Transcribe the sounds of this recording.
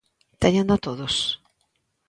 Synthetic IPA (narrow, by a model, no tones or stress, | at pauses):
t̪eɲãnd̪at̪oðos